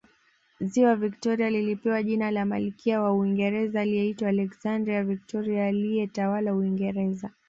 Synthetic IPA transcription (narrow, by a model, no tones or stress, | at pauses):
ziwaviktɔɾialilipɛwaʄinalamalikʰiawauiŋɡɛɾɛzaːliɛitwaːlɛksandɾiavik̚tɔɾiaːlijɛtawalauwiŋɡɛɾɛza